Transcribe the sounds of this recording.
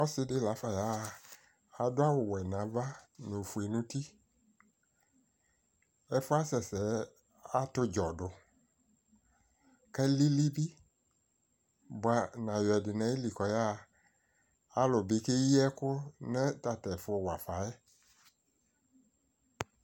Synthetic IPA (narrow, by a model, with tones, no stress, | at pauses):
ɔ˦sɪ˧˦dɪ˦la˨˦fa˨ja˦˨ | a˨dʊ˦a˦wʊ˨wɛ˨nã˨˦va˦nʊ˨fu˨e˨nʊ̃˦ti˦ | ɛ˦fʊ˦a˦sɛ˨sɛ˨˦ | a˦tʊ˦d͡ʒɔ˨dʊ˨ | kɛ˦li˦li˦bi˦ | bʊ˨˦a˨nã˨jɛ˨dɪ˨nɛ̃˨˦ɪ˦li˨kɔ˨ja˦˧ | a˨lʊ˨bɪ˨˦ke˦i˦ɛ˦kʊ˦nɛ˦ta˨tɛ˨fʊ˧˦˨wa˨fa˨ɛ˦